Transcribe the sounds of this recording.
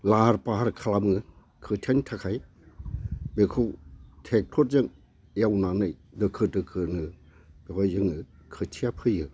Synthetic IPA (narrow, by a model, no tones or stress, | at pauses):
laɾpaɦaɾkʰalamɯ | kʰɯtʰentʰakʰaj | bekʰɯwtʰek̚tʰɔt̚zɯŋ | jawnanɯjdɯkʰɯtɯkʰɯnɯ | b̥ekʰɔjɯŋɯkʰɯtʰijapʰɯjɯ